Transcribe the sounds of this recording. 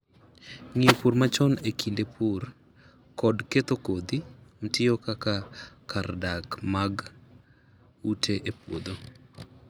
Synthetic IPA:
ŋiopuɾmat͡ʃɔnekʰindepʰur | kɔdket̪okod̪im̩tɪɔkakakardakmaɡ | utʰeʔepwo̰d̪o

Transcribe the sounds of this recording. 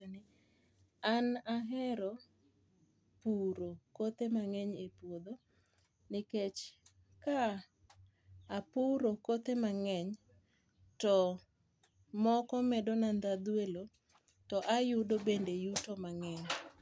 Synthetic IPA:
nɪ | anaɦɛɾɔ | puɾokot̪emaŋɛɲepwod̪o | nɪket͡ʃ | ka | puɾokot̪emaŋɛɲ | tɔ | mɔkɔmɛdɔnand̪ad̪welo | tɔʔajudobendejutomaŋɛɲ

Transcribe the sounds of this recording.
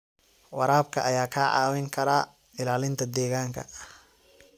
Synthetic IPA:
wɑɾaːb̚kʰɐʔɐjaːkʰaːʕɑ̰ːwɛŋkʰɐɾaː | ɪlaːlɪnt̪ʰɐd̪ɛːɣaːŋkʰɐ̰

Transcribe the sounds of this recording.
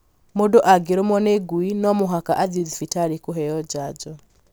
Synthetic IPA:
modɔʔaɡeɾomwɔneɡwinɔmoɦakaʔaðiðifitaɾikuɦɛjɔd͡ʒad͡ʒɔ

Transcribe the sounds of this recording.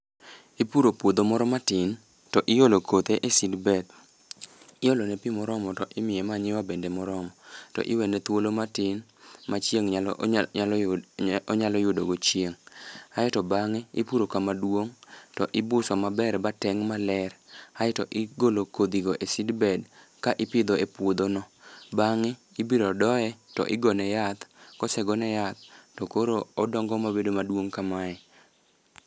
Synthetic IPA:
ipuɾopwod̪omɔɾɔmatɪn | tɔʔɪjolokʰot̪eʔesɪdbɛd̚ | ɪjolonɛpimɔɾɔmɔtɔʔɪmɪjɛmaɲɪwabendemɔɾɔmɔtɔ̰ʔɪwɛnɛt̪wolomatɪnmat͡ʃjeŋ | ɔɲalɔjʊdoɡot͡ʃjeŋajɛtɔbaŋeḭpuɾokamadwoŋtɔʔɪbʊsɔmabɛɾbatɛŋmalɛraɪtɔʔɪɡolokod̪iɡoʔesɪdbɛd | kaʔɪpɪd̪oepwod̪onɔbaŋɪːbiɾɔdɔɛtɔ̰ʔɪɡɔnɛjat̪kɔsɛɡɔnɛjat̪ːɔkoɾoɔdɔŋɡɔmabedomadwoŋkamaɛ

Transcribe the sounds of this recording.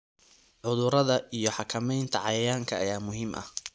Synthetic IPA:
ʕʊðʊɾɐðɐʔijɞħɑkʰɐmɛjnt̪ʰɐʕɑjɐjaːŋkʰɐːjaːmʊɦiːmʔɐ̰h

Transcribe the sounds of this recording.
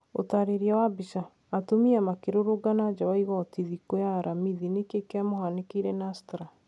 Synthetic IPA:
o̰taɾeɾiawabisaː | tomiamakeɾoɾoɡanad͡ʒawaiɣɔtiðikojaːɾamiðinekekeamohanekiɾɛnastɾa

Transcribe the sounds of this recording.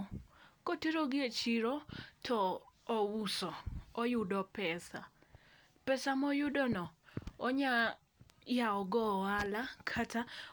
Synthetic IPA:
kotiɾoɡɪet͡ʃiɾɔtʰɔːwusɔɔjʊdɔpɛsa̰ | pɛsamɔjʊdɔnɔɔɲa | jaɔɡɔalakʰata

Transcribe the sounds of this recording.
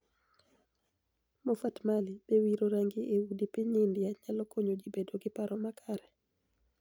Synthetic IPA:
mofatmalibewiɾoɾaŋɡɪʔewudipiɲɪndɪjaɲalɔkʰoɲod͡ʒibedoɡɪpaɾɔmakʰaɾɛ

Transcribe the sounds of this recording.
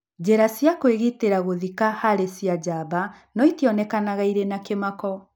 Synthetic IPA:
d͡ʑɛɾasjakweɣiteɾaɣoðikahaɾesiad͡ʑaːba | nɔitijɔnɛkanaɣaiɾenakemakɔ

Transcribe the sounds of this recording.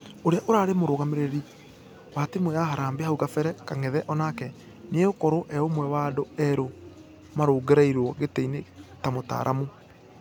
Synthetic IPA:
oɾeaʔoɾaːɾemoɾoːɣameɾeɾi | waːtimojaɦaɾaːmbehauɣafɛɾɛkaŋɛðɛʔɔnakɛ | neokɔɾoʔɛomwɛwaːdoɛɾo | maɾoːɡeɾaiɾwɔɣeteinetamota̰ːɾʔa̰mu

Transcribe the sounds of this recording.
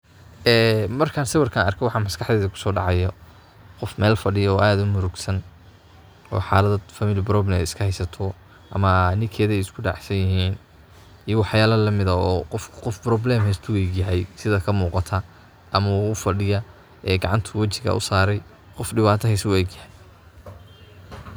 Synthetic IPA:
ɛːmɐrkʰaːnsɐwɐrkʰaːnɐ̰rkʰɛwɑħɑmɐskʰɑħd̪ɛːðɐkʰʊ̥sɔːɖɑ̰ʕɑjɔ | qɔfmɛːlfɐɖɪjɔːʔaːðʊmʊɾʊɡsɐn | ɔ̰ːħɑːlɐðɐd̪fɐmɪlɪbɾɔblɛmɛ̰ɪskʰɐhɛjsɐt̪ʰɔ | ʔɐ̰mɐnɪkʰɛːðɛjɪskʰʊɖa̰ːħsɐjɪɦiːn | ijɐwɑħjaːlɐlɐmɪðɐɔːqɔfkqɔfbɾɔblɛːmɦɛjst̪ʰʊwɛːɡjɐɦɛjsɪðɐkʰɐmuːqɑt̪ʰɐ | ʔɐmɐuʊfɐɖɪjɐ | ɛːɡɑʕɑnt̪ʰɐwɐt͡ʃɪɣɐ̰ʔʊ̰saːɾɛj | qɔfɖɪβaːt̪ʰɐɦɛjswɛːɡjɐhɛj

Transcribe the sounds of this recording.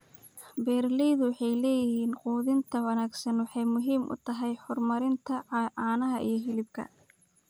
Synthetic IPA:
bɛːrlɛjðʊwɑħɑjlɛːjɪɦiːnquːðɪnt̪ʰɐwɐnaːɡsɐnwɑħɑjmʊɦiːmʔʊ̰t̪ʰɐɦɛjħɔrmɐɾɪnt̪ʰɐʕʕɑːnɐɦɐʔḭjɞɦɪlɪb̚kʰɐ̰

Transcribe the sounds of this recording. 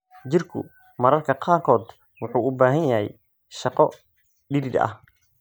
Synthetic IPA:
t͡ʃɪrkʰʊ̰ | mɐɾɐrkʰɐqɑːkʰɔːd̪ | wʊħuːʊbaːɦɐnjɐɦɛ̰j | ʃɑqɔ | ɖɪɾɪd̪ɐ̰h

